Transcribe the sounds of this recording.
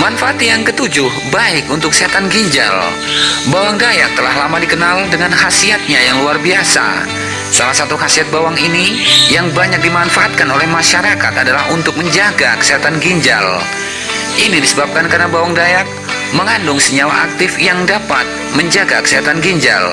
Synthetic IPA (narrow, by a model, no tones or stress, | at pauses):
manfaːt̪jaŋkət̪ud͡ʒʊhbaɪkunt̪ʊkːəsiat̪anɡiɲd͡ʒa̰l | bawaŋdajak̚t̪əlahlamadikənaldəŋanhasiat̪̚ɲajaŋluarbiasa̰ | sa̰lahsat̪uɦasiat̪̚bawaŋinijaŋbaɲak̚dimanfaat̪̚kanolɛhmaʃaɾaka̰t̪adalahunt̪ʊk̚məɲd͡ʒaɡakə̥səɦat̪anɡiɲd͡ʒa̰l | ʔinidisəbap̚kankarnabawaŋdajak̚ | məŋandʊŋsəɲawaʔak̚t̪ɪfjaŋdapa̰t̪̚məɲd͡ʒaɡakəsəɦat̪anɡiɲd͡ʒa̰l